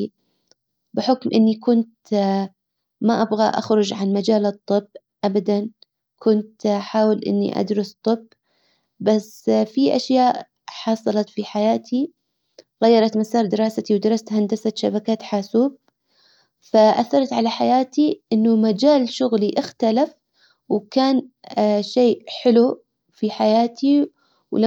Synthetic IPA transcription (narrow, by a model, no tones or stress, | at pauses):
bɪħʊkmʔɪnːikʊnt̪ | maʔabɣa̰ʔa̰xɾʊd͡ʒʕanmad͡ʒaːlɨt̪ˤːɨbː | ʔabad̪an | kʰʊnt̪ħaːwɪlʔɪ̰nːḭʔa̰d̪ɾˤʊst̪ˤːɨb | bas | fiʔaʃjaːʔ | ħɑsˤɑlɑt̪fiħajaːt̪ʰi | ɣajːɑɾˤɑt̪masɑːɾˤd̪ɪɾˤɑːsat̪iwd̪ɑɾˤɑst̪hand̪asat̪ʃabakaːt̪ħaːsuːb̚ | faʔaθːɑɾˤɑt̪ʕalaħajaːt̪iʔɪnːʊmad͡ʒaːlʃʊɣliʔɪxt̪alaf | wkaːnʃeːʔħɪlu | fiħajaːt̪ʰi | wla